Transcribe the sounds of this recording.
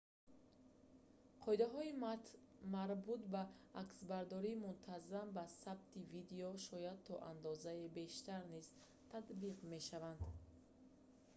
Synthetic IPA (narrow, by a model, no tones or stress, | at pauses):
qʰɔid̪aɦɔi | maɾbut̪baːksbaɾd̪ɔɾimunt̪ʰazambasabt̪ʰivid̪eɔʃɔjad̪̚t̪ʰɔʔa̰nd̪ɔzaebe̞ʃt̪aɾniz | t̪ʰat̪biʁme̞ʃavand̪